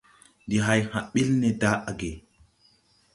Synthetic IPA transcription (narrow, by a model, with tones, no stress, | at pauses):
ndi˨ɦa˨jhã˨ɓi˦lne˦da˦a˨ɡe˨